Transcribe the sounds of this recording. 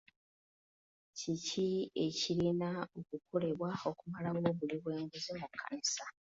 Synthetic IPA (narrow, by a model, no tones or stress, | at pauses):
cicie̞cilinaokukʰo̞le̞βwao̞kumalawo̞βuliβweːɲɡezemukʰːa̰nisa